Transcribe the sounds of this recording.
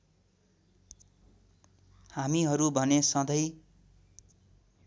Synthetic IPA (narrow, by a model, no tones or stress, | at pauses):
hamiɦʌɾubʱʌnesʌ̃d̪ʌj